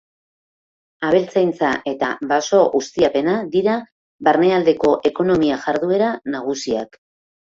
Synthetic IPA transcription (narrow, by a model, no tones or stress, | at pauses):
aβ̞e̞lt͡sajnt͡saʔe̞t̪aβaso̞ɣust̪iape̞nad̪iɾa | βaɾne̞ald̪e̞ko̞ʔe̞ko̞no̞miaʝaɾðue̞ɾanaɣ̞usia̰k